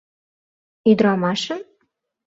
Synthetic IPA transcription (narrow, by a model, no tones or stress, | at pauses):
yd̪ɾɑmɑʃə̆m